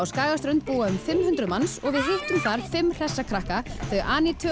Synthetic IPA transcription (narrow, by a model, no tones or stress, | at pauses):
awskaːɣast̪ɾʏnt̪̚puːaʏmfɪmhʏnt̪ɾʏmansɔɣvɪðɦɪht̪ʏmθaɾ̥fɪmːr̥ɛsːakʰɾahkaθœʔaːnit̪ʰœ